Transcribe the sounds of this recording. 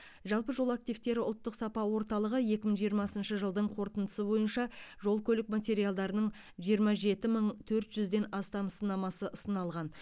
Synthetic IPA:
ʒɑlˠpəʒo̞lˠak̚t̪ijvt̪e̞ɾɪʊlˠt̪ːəqsɑpɑwo̞ɾt̪ɑlˠəʁəje̞kʲɪməɴʒijəɾmɑsənʃəʒəlˠd̪əɴqʰo̞ɾt̪ənd̪ə̥səbo̞jənʃɑʒo̞lˠkʲʰɵlɪkmat̪ʲe̞ɾijalˠd̪ɑɾənəɴ | ʒijəɾmɑʒe̞t̪ɪməɴt̪ʰɵɾt̪ʒʏzd̪e̞nɑst̪ɑmsənɑmɑsəʔəst̪ənɑlˠʁɑn

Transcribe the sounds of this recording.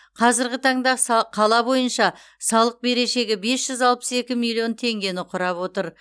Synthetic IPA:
qʰɑzɪɾɡʲɪt̪ʰɑɴd̪ɑsqʰɑlˠɑbo̞jənʃɑ | sɑlˠəq̚be̞ɾe̞ʃe̞ɡʲɪbe̞sʒ̥ʏzɑlˠpə̥se̞kʲɪmilʲˠio̞nt̪ʰe̞ŋɡʲe̞nɪqʰʊɾɑpwo̞t̪əɾ

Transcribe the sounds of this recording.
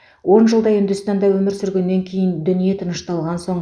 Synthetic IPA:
wo̞nʒəlˠd̪ɑjʏnd̪ʏst̪ɑnd̪ɑwɵmɪɾsʏɾɡʲe̞nːe̞ŋkʲʰe̞jɪnd̪ʏnije̞t̪ʰənəʃt̪ɑlˠʁɑnso̞ɴ

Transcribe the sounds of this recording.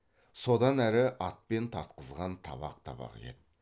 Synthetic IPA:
so̞d̪ɑnæɾɪʔɑt̪̚pe̞nt̪ʰɑɾt̪̚qəzʁɑnt̪ʰɑ̰bɑ̰q̚t̪ʰɑ̰bɑ̰qḛḛt̪

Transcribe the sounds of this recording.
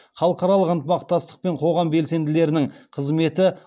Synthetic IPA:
χɑlˠəqɑɾɑlˠəqənt̪əmɑqt̪ɑst̪ə̥q̚pe̞ɴqʰo̞ʁɑmbe̞lse̞nd̪ɪle̞ɾɪnɪŋqʰəzme̞t̪ɪ

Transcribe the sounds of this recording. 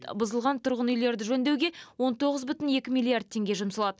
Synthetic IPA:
bʊzəlˠʁɑnt̪ʰʊɾʁənʏjle̞ɾd̪ɪʒɵnd̪ewɡʲe̞wo̞nt̪ʰo̞ʁəzbʏt̪ɪne̞kʲɪmʲilʲːˠiard̪̚t̪ʰːe̞ŋɡʲe̞ʒʊmsəlˠɑd̪ə

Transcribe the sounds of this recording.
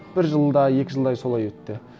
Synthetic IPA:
b̥ɪɾʒəlˠd̪ɑje̞kʲɪʒəlˠd̪ɑjso̞lˠɑjwɵt̪ːɪ

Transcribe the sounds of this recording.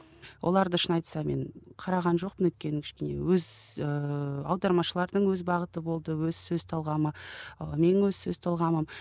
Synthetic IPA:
wʔolˠɑɾd̪əʃənɑjt̪sɑme̞̰ɴqʰɑɾɑʁɑnʒo̞q̚pənɵt̪̚kʲe̞nɪŋkʲʰɪʃkʲe̞ne̞̰wɵzəɑwd̪ɑɾmɑʃəlˠɑɾd̪əɴwɵzbɑʁət̪əbo̞lˠd̪əwɵzsɵzt̪ʰɑlˠʁɑməme̞nwɵzsɵz̥t̪ʰɑlˠʁɑməm

